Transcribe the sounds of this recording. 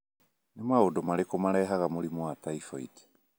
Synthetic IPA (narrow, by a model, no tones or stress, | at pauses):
nemaodomaɾekomaɾɛɦaɣamoɾimɔwataifɔḭt